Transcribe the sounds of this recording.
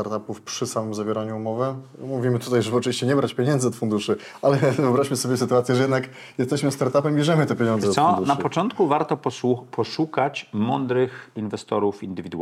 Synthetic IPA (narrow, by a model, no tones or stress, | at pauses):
t̪aɾt̪apufpʂɘsamɘmzavʲjɛɾaɲuːmɔvɘmuvʲimɘt̪ut̪ajʐɛbɔt͡ʂɨvʲiɕt͡ɕɛɲɛbɾat͡ɕpʲjɛɲɛnd̪zɛɔt̪fund̪uʂɘ | ʔalɛvɨɔbɾaɕmɘsɔbʲjɛsɘt̪uat̪sʲjɛʐɛjɛd̪nak | jɛst̪ɛɕmɘst̪aɾt̪apɛmbʲjɛʐɛmɘt̪ɛpʲjeɲɔnd̪zɛt̪sɔnapɔt͡ʂɔnt̪kuvaɾt̪ɔpʰɔʂukat͡ɕmɔnd̪ɾɘxinvɛst̪ɔ̰ɾufind̪ɘvʲid̪ṵ